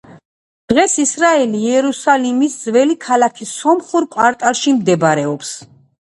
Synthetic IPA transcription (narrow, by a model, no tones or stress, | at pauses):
d̪̥ʁɛsisɾaɛliɛɾusalimisd̪zvɛlikʰalakʰisɔmχuɾkʼwaɾt̪ʼaɾʃimd̪ɛbɾɛɔps